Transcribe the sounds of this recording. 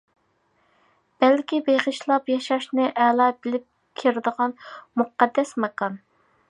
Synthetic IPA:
b̥ɛlkʲibeʁəʃlˠɑpjɑʃɑʃnɨʔɛlˠɑːbɪlɪp̚ | kʲʰiɾɪd̪əʁɑnmuqɑd̪ːɛsmɛkɑn

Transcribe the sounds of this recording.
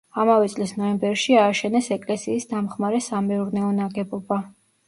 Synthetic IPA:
amavɛt̪sʼlisnɔɛmbɛɾʃiaːʃɛnɛsɛkʼlɛsiːsd̪amχmaɾɛsamɛuɾnɛɔnaɡɛbɔba

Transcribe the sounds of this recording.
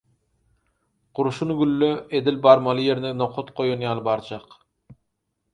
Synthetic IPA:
qʊɾuʃunɡʲylːøed̪ɪlbɑɾmɑlˠɨjeɾnɛnoqʰot̪qʰojunjɑlˠbɑɾt͡ʃʰɑq

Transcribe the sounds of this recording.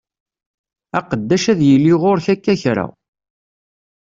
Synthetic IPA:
æqəd̪ːæʃæðjəlːiʁoɾçækːæçɾa̰

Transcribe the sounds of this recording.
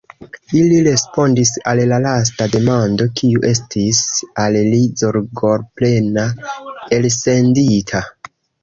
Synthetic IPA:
iliɾe̞spo̞ndisallalas̬tade̞mando̞kʰiuʔe̞stisallizoɾɡo̞ɾple̞nae̞lse̞nditʰa

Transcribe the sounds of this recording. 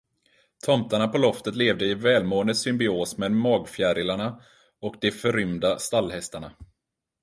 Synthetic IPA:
t̪ʰɔmt̪aɳapɔlɔft̪ət̪leːvd̪əɪvɛːlmoːənd̪əsʏmbɪoːsmɛːd̪mɑːɡfjæɾɪlaɳa | ɔkd̪ɛfœɾʏmd̪ast̪alːhɛst̪aɳa

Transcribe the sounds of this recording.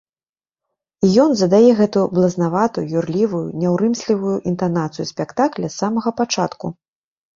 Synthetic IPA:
ijɔnzɐd̪ajɛɣɛt̪ublˠɐznavat̪ujurlʲivujṵnʲawɾɨmsʲlʲivujuʔint̪anat̪sɨjusʲpʲɛkt̪aklʲɐsːamɐɣɐpat͡ʂat̪ku

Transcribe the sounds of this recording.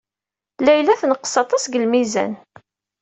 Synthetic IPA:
læjlæθnəqːsɑt̪ˤɑsɡəlmizæ̰n

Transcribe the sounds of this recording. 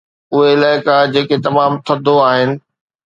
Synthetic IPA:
ʊɦeɪlaːɪkad͡ʑeːket̪ɐmaːmt̪ʰɐd̪ʱoaːɦɪnɪ̆

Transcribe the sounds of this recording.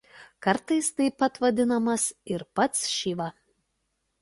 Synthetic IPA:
kɐɾt̪ɐɪst̪ɐɪpɐt̪ʋɐd̪ʲɪnɐmɐsɪɾpɐt̪sʃʲiʋɐ

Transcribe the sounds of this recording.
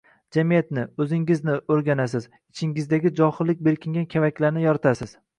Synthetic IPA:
d͡ʒamijat̪nɪɵzɪŋɪznɪoɾɡʲanas̬ɪz | ɪt͡ʃʰɪŋɪzd̪aɡʲɪd͡ʒɒχɨlːɪk̚ʲbe̞ɾkʲɪŋɡʲankʲʰevakʲlaɾnɪjɒɾɪt̪ʰasɪz̥

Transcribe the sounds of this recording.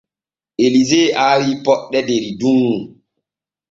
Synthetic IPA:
ʔelizeːʔaːwiːpɔɗːɛdeɾiduŋu

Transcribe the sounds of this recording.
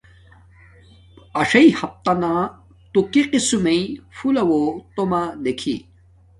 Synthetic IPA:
ɐʂɐjhɐp̚t̪anã | t̪ukiqisumeifulɐwot̪omad̪ekʰḭ

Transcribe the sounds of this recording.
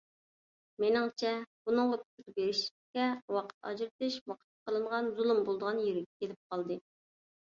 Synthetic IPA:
menɪŋt͡ʃʰɛb̥unɨŋʁɑpʰy̥t̪ʲʰɾbeɾɪʃkʲɛwɑqʰə̥t̪ɑ̰d͡ʒɾt̪ɨʃwɑqʰə̥t̪̚ːqʰəlˠɨɴʁɑnzulˠumbolˠd̪əʁɑnjyɾɪkʲkʲʰelɪp̚qʰɑlˠd̪ɨ

